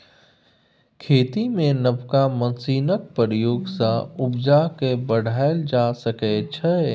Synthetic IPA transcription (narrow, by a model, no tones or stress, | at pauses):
kʰeːt̪imẽnəbkamə̃nsiːnək̚pəɾjoːɡsaʊbd͡ʒakebəɽ̤ʱaːɪld͡ʒasəkɛt͡ʃʰɛ